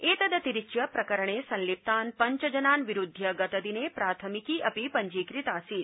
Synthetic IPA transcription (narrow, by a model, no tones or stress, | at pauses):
eːt̪ɐd̪ət̪iɾit͡ʃjɐpɾɐkɐɾəɳ̃esɐ̃nlip̚t̪aːnpɐɲt͡ʃɐd͡ʒɐnaːnʋiɾud̪ʱːjɐɡɐt̪ɐd̪inepɾaːt̪ʰəmikiʔɐpipɐɲd͡ʒiːkɾit̪aːsiːt̪